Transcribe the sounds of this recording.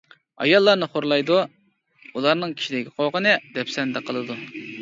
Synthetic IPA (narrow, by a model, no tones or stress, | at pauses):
ɑ̰jɑlˠːɑɾnɨχoɾlˠɑjd̪u | ulˠɑɾnɨŋkʲʰi̥ʃid̪ɪkʲiqʰolʁənɨd̪ɛpsɛnd̪æqʰəlˠɨd̪u